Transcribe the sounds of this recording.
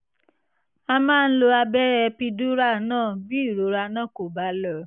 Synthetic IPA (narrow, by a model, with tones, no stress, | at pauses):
a˧mãː˦˧ñ̩˦lo˧a˧bɛ˦ɾɛ˧pi˧du˦ɾa˦˨nãː˦˨bi˦i˦˨ɾo˨˦ɾa˧nã˦˨ko˨ba˨˦lɔ˦˨˦